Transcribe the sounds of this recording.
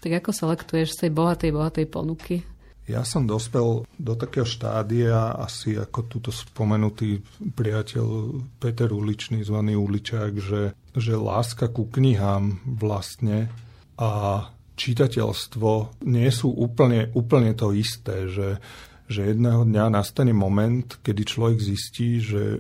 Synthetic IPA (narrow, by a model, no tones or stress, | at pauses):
t̪aɡakɔsɛlɛkt̪ujɛʃst̪ɛjbɔɦat̪ɛjbɔɦat̪ɛjpɔ̰nuki | ja̰sɔmd̪ɔspɛld̪ɔt̪akɛːɦɔʃt̪a̰ːd̪iaa̰sia̰kɔt̪uːt̪ɔspɔmɛnut̪iːpɾiacɛ̰ʎpɛt̪ɛɾulit͡ʃniːzʋaniːulit͡ʃaːɡʒɛ | ʒɛla̰ːskakukɲiɦaːmʋlast̪ɲɛ | ʔa | t͡ʃit̪acɛ̰lst̪ʋɔɲɪɛsuːʔuːpl̩ɲɛʔuːpl̩ɲɛt̪ɔist̪ɛːʒɛ | ʒɛjɛd̪nɛːɦɔd̪ɲanast̪aɲɛmɔmɛnt̪kɛd̪it͡ʃlɔʋɛɡzisciːʒɛ̰